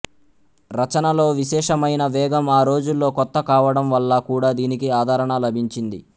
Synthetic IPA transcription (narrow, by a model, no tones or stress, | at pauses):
ɾɐt͡ʃɐnɐlo̞ːʋiʃɛːʂɐmɐjnɐʋɛːɡɐmaːɾoːd͡ʒulːo̞ːkɔt̪ːɐkaːʋɐɽɐmʋɐlːɐkuːɽaːd̪iːnikiaːd̪ʱaːɾɐɳalɐbʱiɲt͡ʃind̪ḭ